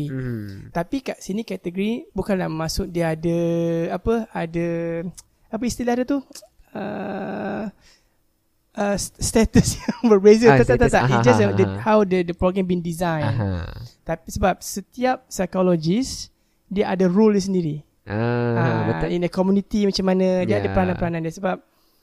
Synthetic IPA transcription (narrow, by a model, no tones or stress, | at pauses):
it̪apikaʔsinikɛt̪əɡəɾibukanlaʔmasʊk̚diəadəapəadə | ap̬əist̪ilahdət̪u | ə | ʔəst̪ɛt̪əsjawəbezət̪at̪at̪at̪aid͡ʒassdəhawdədəpɾoɡɾɛ̃mbindizãjnt̪apisəbap̚sət̪iap̚sajkolod͡ʒis | diəʔadəruljəs̬əndiɾi | əindəkɔmjunit̪imat͡ʃamːanə̃diəadəpəɾanãnpəɾanãndiəsəbap̚